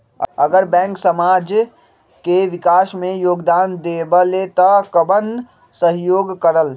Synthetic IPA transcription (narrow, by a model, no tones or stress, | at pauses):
ə̰əɡəɾbɛ̃ːŋksəmaːd͡ʒ | keʋɪkaːsmẽjoːɡd̪aːnd̪eːbəlet̪ɔkəbə̃nd̪ | səɦjoːɡkəɾəl